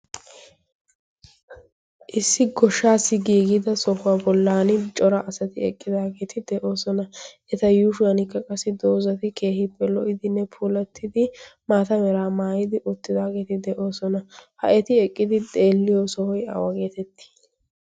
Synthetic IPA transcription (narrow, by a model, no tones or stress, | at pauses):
ʔɪsːɪɡɔʃːaːsːɪɡiːɡɪd̪ɐsɔhʊwabɔlːaːnɪt͡ʃʼɔɾɐʔɐsɐt̪ɪɛkʼːɪd̪aːɡe̞ːt̪ɪd̪ɛʔo̞ːsɔnɐʔɛt̪ɐjuːʃʊwɐnɪkːɐkʼɐsɪd̪oːzɐt̪ɪkʰe̞ːhɪpːɛlɔʔɪd̪ɪnːɛpʰuːlɐt̪ʰːɪd̪ɪmaːt̪ɐmɛɾaːmaːjɪd̪ɪʔʊt̪ːɪd̪aːɡe̞ːt̪ɪd̪ɛʔo̞ːsɔnɐhɐ̰ʔɛt̪ɪɛkʼːɪd̪ɪd̪ʼe̞ːlːɪjɔsɔhɔja̰wɐɡe̞ːt̪ɛt̪ːi̥